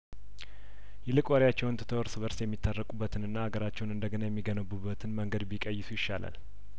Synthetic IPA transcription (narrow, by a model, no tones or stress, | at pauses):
jɛlɨkʼwaɾjat͡ʃːɛwnt̪ʰɨ̥t̪ʰəwəɾsɨβəɾsjɛmːit̪ʰːarːəkʼubːət̪ʰɨnɨnːaaɡəɾat͡ʃːɛwnɨnd̪əɡənajɛmːiɡənəbːubːət̪ʰɨnməŋɡəd̪bikʼəjːɪsujɪʃːala̰l